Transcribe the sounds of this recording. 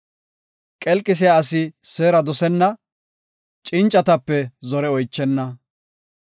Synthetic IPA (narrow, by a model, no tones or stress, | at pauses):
kʼɛlkʼːɪs̬ɪjaːɐsɪseːɾɐd̪ɔsɛnːɐ | t͡ʃʼɪnt͡ʃʼːɐt̪ɐpːɛzɔɾɛɔjt͡ʃːɛnːɐ